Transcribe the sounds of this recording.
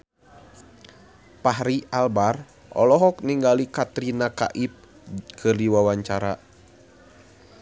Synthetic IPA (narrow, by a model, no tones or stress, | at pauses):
paɦɾialbar | ʔɔ̰lɔɦɔk̚niŋɡalikat̪ɾinaka̰ʔip̚ | kʰɨrdiwawaɲt͡ʃaɾa